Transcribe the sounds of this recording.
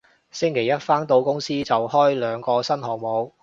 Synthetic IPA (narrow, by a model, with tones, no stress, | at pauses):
sɪ˥ŋkʰe˨˩jɐ˥t̚faː˥ŋt̪o˨˧wkʊ˥ŋsiː˥t͡sɐ˨whɔː˥jlœː˨˧ŋkɔː˧sɐ˥nɦɔː˨˩mo˨˧w